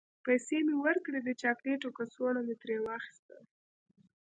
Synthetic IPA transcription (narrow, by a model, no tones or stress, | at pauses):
pajsemewəɾkɽed̪ət͡ʃɑkleʈokasoɽanet̪ɾewɑxi̥st̪a̰